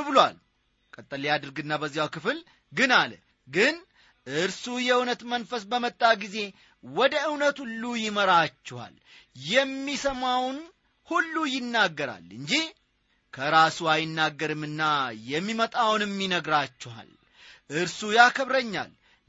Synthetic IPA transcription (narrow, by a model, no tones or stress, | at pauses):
bɨloa̰l | kʼət̪ʼːəliad̪ɨɾɡɨnːabəzːijawkɨfɨl | ɡɨnalə | ɡɨn | ʔɨɾsujɛunət̪mənfəsbəmət̪ʼːaɡize̞ | wɔd̪əɨwnət̪hulːujɪməɾat͡ʃːɛha̰l | jɛmːisəmawn | hulːujɪnːaɡːəɾa̰lɨɲd͡ʒih | kʰəɾasuajɪnːaɡːəɾɨmɨnːajɛmːimət̪ʼawnɨmːinəɡɾat͡ʃːɛha̰l | ʔɨɾsujakʰəβɾəɲːa̰l